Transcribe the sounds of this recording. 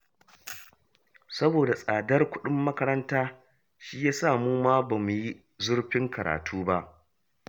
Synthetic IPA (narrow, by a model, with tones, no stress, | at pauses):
sɐ˦boː˨da˨sʼaː˨dɐ˦rkʷʊ˦ɗʊ˦mːɐ˦kɐ˦ɾɐ˦ntaː˦ | ʃiː˦jaː˦saː˦˨muː˦maː˦ba˨mu˨ji˦ | zʊ˦rɸɪ˦ŋkɐ˨ɾa̰ː˨tʰuː˦ba˦ʔ